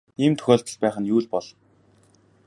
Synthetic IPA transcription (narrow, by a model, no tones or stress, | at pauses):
iːmt̪ʰɵ̥xʲoːɮt̪ə̆ɮpæːχə̆njuːɮpɔɮɞ̆n